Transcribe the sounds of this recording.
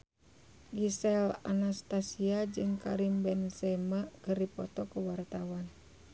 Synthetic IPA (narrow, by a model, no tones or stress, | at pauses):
ɡisɛla̰nast̪asiad͡ʒɨŋkaɾimbɛnsɛmakəripɔt̪ɔkuwart̪awan